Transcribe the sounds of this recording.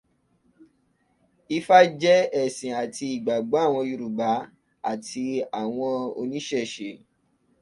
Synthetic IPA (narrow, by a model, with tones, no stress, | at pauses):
i˦˧fa˦d͡ʒɛ˦ɛ˦˨sĩ˨a˨ti˧i˨ɡ͡ba˨ɡ͡ba˨˦a˦˨w̃ɔ̃˧ju˧ɾu˨ɡ͡ba˨˦ | a̰˦˨tʰi˧a˨w̃ɔ̃˧o̰˧nĩ˦ʃɛ˦˨ʃe˨˦